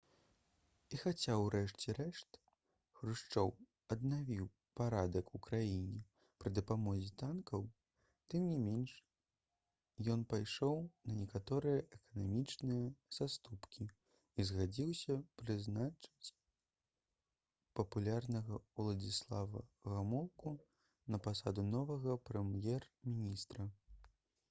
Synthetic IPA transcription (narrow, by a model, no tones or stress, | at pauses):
ixat͡sʲawɾɛʂt͡sʲɛɾɛʂt̪ | xɾɨʂt͡ʂɔw | ɐd̪̚navʲiw | paɾad̪ɐkukɾajinʲɛ | pɾɨd̪ɐpamɔzʲit̪ankɐw | t̪ɨmnʲimʲenʂ | jɔnpajʂɔwnɐnʲɛkat̪ɔɾɨjɐʔɛkɐnamʲit͡ʂnɨjɐz̥ast̪upkʲi | izɣad͡zʲiwsʲɐpɾɨznat͡ʂɨt͡sʲ | pɐpulʲarnɐɣɐuwlˠɐd͡zʲislˠavɐ̰ɣamɔlˠku | nɐpasad̪unɔvɐɣɐpɾɛmjɛrmʲinʲist̪ɾɐ